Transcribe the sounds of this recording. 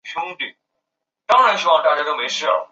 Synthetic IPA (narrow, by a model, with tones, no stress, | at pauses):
t͡ɕʰjʊ˥ŋt̪y˨˩˦ | t̪ɑ˥ŋɻa˧˥nʂɻ̩i˥wɑ˥˩ŋt̪a˥˩t͡ɕja˥t̪o˥ʊme˧˥ɪʂɻ̩˥˩ə̰˩